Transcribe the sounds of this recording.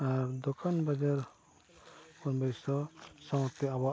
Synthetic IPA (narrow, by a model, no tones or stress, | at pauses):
aɾd̪ɔkʰanbad͡ʒaɾ | kɔnbɛsɔsawɔt̪ɛaba